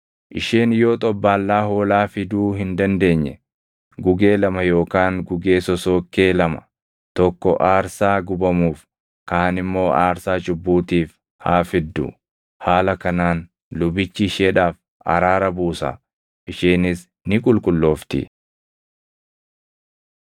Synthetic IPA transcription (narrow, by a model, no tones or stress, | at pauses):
ʔɪʃeːnɪjo̞ːt̪ʼɔbːaːlːaːhoːlaːfɪd̪uːɦɪnd̪ɐnd̪e̞ːɲːɛ | ɡʊɡeːlɐmɐjo̞ːkaːŋɡʊɡe̞ːsɔso̞ːkːe̞ːlɐmɐ̥ | t̪ɔkːɔʔaːɾsaːɡʊbɐmuːf | kaːnɪmːo̞ːʔaːɾsaːt͡ʃʼʊbːuːt̪iːf | haːfɪd̪ːʊ̰ | haːlɐkɐnaːn | lʊbɪt͡ʃːɪʃeːᶑaːf | ʔɐ̰ɾaːɾɐbuːsɐ̰ | ʔɪʃeːnɪs | nɪkʼʊlkʼʊlːo̞ːft̪ɪ̰